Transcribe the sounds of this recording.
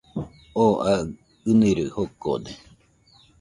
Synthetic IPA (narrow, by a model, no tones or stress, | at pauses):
oʔa | ɨniɾɨhoko̰d̪e